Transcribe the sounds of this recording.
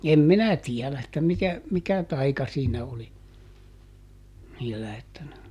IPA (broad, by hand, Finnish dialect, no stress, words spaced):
em minæ tiɛlæ etːæ mitæ mikæ tɑikɑ siːnæ oli niːlːæ etːæ ne